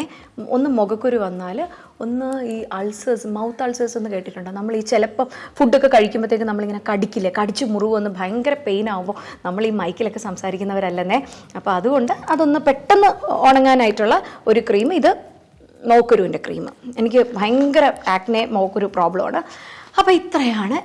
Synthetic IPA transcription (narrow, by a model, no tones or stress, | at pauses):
e | o̰nːɨmo̞ɣɐkːuɾuʋɐnːaːl | o̞nːɨiːʔɐɭsɐsmɐwt̪ːɐɭsɐso̞nːɨke̞ːʈːiʈːuɳɖɨnɐmːɐɭiːt͡ɕelɐpːɐmfuɖːo̞kːe̞kɐɻikʲːumbɐt̪eːk̬ːɨnɐmːɐɭiŋːɐne̞kɐɽikʲːilːɐkɐɽit͡ɕːɨmuruʋɨo̞nːɨbʱɐjɐŋɡɐɾɐpe̞jnaːʋumbo̞ːnɐmːɐɭiːmɐjkʲːilo̞kːe̞sɐmsaːɾikʲːunːɐʋɐɾɐlːɐnːeɐpːo̞ːɐðuɣo̞ɳɖɨɐðo̞nːɨpe̞ʈːɐnːɨoːɳɐŋːaːnaːjiʈːuɭːɐo̞ɾukriːmɨiðɨ | no̞ːkːoɾuːinde̞krḭːmɨ̰e̞nikʲːɨbʱɐjɐŋɡɐɾɐaːk̚ʈːneno̞ːkːoɾupro̞ːbɭɐma̰ːɳɨɐpːoːit̪ːrɐjaːɳɨ